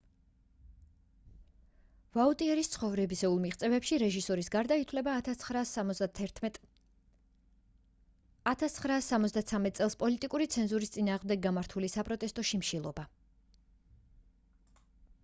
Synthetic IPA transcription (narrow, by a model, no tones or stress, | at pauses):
vaut̪ʼiɛɾist̪sʰχɔvɾɛbisɛulˠmiʁt̪sʼɛvɛpʃiɾɛʒisɔɾisɡaɾd̪ait̪ʰwlɛba | at̪ʰat̪sχɾaːsːamɔt̪zd̪at̪sʰamɛt̪ʼsʼɛlˠspʼɔlit̪ʼikʼuɾit̪sʰɛnzuɾist̪sʼinaːʁmd̪ɛɡːamaɾt̪ʰulisapʼɾɔt̪ʼɛst̪ʼɔʃimʃilˠɔba